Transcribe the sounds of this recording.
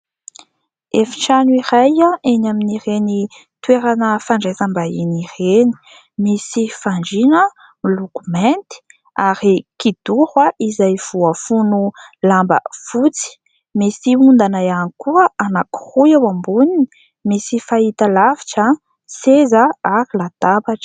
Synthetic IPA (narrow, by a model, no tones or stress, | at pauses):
efi̥ʈ͡ʂanuiɾajaʔenaminiɾeni | t̪weɾanəfaɳɖ͡ʐezambainireni̥ | misifaɳɖ͡ʐinə | milukument̪i̥ | aɾikid̪̥uhwaʔizajv̥uafunulambə̰fut͡si̥ | misiund̪anajanikuəʔanaku̥ruawambunini | misifait̪alavi̥ʈ͡ʂa | sezəaɾilad̪̥abaʈ͡ʂə̥